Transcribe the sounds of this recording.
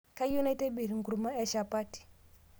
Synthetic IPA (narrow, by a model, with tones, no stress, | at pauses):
ka˦ju˦na˦i˦tɛ˦bi˨ɾi˨ŋɡu˨ɾu˨ma˦ɛ˦ʃa˨pa˦ti̥˨